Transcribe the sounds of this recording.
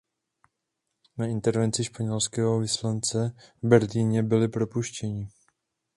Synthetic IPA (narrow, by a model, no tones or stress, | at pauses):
naɪnt̪ɛɾvɛnt͡sɪʃpaɲɛlskɛːɦovɪslant͡sɛvbɛɾliːɲɛbɪlɪpɾopuʃcɛɲɪ